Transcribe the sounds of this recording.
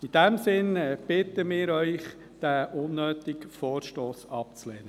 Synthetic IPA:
id̥ɛmsɪnb̥ɪt̪əmɪːɾœʏχ | d̥æʔʊnːøːt̪ɪkfɔːɾʃtoːsɑp̚t͡slɛːnə

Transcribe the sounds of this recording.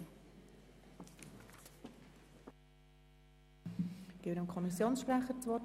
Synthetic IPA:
ɪɾəmkʰɔmisjoːnsʃpɾɛχəɾt͡sʋɔt

